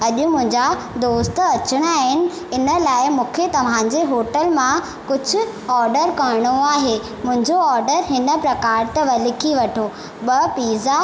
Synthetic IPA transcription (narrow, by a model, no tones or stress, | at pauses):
ɐʄʊ̆mʊ̃ɦɪ̃ɲd͡ʑa | d̪oːst̪ɐt͡ɕɪɽ̃ʊaːɦɪnɪ̆ | ɪnə̆laːɪmũːkʰet̪ɐʋ̤ãɲd͡ʑeɦoːʈəlmã | kʊd͡ʑʱʊ̆ | ɔːɾɖəɾkɐɾɪɽ̃oaːɦeː | mʊ̃ɦɪ̃ɲd͡ʑoɔːɾɖəɾɦɪnə̆pɾɐkaːɾt̪ɐʋɐlɪkʰiʋɐʈʰoː | ɓɐpiːza